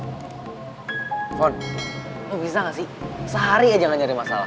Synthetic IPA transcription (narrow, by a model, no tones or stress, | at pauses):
fɔn | abisaŋasisəɦaɾiad͡ʒaŋaɲaɾimasa̰la̰